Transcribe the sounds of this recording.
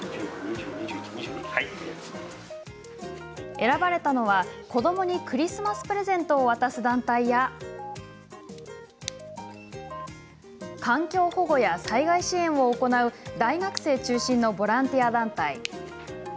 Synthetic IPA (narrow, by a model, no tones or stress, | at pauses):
ɲiii | e̞ɾabaɾe̞t̪ano̞βako̞d̪o̞mo̞ɲ̟ikɯ̟ɾʲisɨmasɨ̥pɯ̟ɾe̞zẽ̞nt̪o̞ːβat̪asɨd̪ãnt̪aija | kʰãŋkʲo̞ːho̞ɡo̞jasaiɡaiɕiẽ̞ɰ̃o̞ːko̞naɯ̟d̪aiɡakɯ̟̥se̞ːt͡ɕɨːɕĩnːo̞bo̞ɾãnt̪ʲijad̪ãnt̪ai